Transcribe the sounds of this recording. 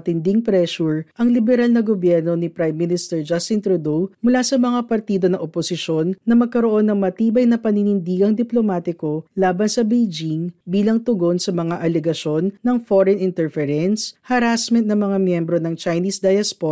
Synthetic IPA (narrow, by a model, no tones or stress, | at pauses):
t̪ɪnd̪iŋpɾɛʃuɹʔɐŋlɪbɛɾalnɐɡobjɛɾnonipɾajmːɪnɪst̪ɛɹd͡ʒast̪ɪnt̪ɾud̪owmʊlasɐmɐŋapɐɾt̪id̪o̞nɐʔoposɪʃo̞nːɐmɐɡ̚kɐɾo̞ʔo̞nːɐŋmɐt̪iːbɐjnɐpɐninɪnd̪iːɡɐŋd̪ɪplomaːt̪ɪko̞laːbɐnsɐbejd͡ʒiŋbiːlɐŋt̪ʊɡo̞nsɐmɐŋaʔɐlɛɡɐʃo̞nːɐŋfoɾɛnɪnt̪ɛɹfɛɾɛnshɐɾasmɛnt̪nɐmɐŋamjɛmbɾo̞nɐŋt͡ʃɐjniːsd̪ajɐspo